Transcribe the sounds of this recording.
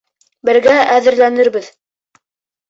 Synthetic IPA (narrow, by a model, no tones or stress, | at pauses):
bɘ̆ɾɡææðɘ̆ɾlænɘɾbɘð